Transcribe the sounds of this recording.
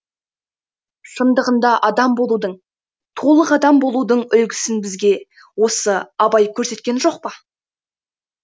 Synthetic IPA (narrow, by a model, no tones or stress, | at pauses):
ʃənd̪əʁənd̪ɑʔɑd̪ɑmbo̞lˠud̪əɴ | t̪ʰo̞lˠəqɑd̪ɑmbo̞lˠud̪əɴʏlɡʲɪsɪnbɪzɡʲe̞ | wo̞səɑbɑjkʲʰɵɾse̞t̪̚kʲe̞nʒo̞q̚pə